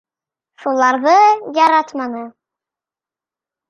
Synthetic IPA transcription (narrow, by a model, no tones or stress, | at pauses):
ʃulˠɑɾðɤjɑɾɑt̪mɑnɤ